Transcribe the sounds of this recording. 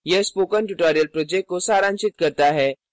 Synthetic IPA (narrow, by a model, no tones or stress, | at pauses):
jespoːkənʈʊʈɔːɾijəlpɾoːd͡ʒek̚ʈ̚kosaːɾãːnt͡ʃɪt̪kɐɾt̪aɦɛː